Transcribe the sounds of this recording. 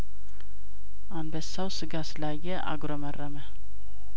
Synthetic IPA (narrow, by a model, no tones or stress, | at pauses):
anbəsːawsɨɡaslaɡɛʔa̰ɡɾomɐrːɐmɛ